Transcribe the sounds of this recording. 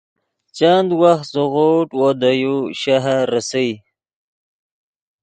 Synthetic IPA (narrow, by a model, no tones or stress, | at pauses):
t͡ʃand̪waxt̪zəɣoʈwod̪ajuʃaɦaɾasaj